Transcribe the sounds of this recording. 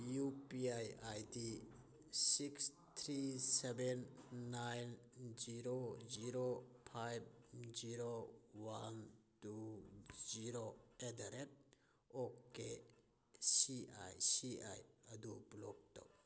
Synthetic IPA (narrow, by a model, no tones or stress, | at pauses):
jupiajajdi | siks | t̪ʰɾisebenːajnziɾoziɾopʰajb̚ziɾowantu | ziɾoedaɾet̚ | oke | sia̰jsia̰jɐdublɔk̚tɔ̰k